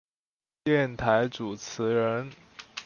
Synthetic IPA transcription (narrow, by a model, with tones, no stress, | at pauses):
jɛ˥˩nt̪ʰa˧˥ɪt͡su˨˩t͡sʰɹ̩˧˥ɻə˧˥n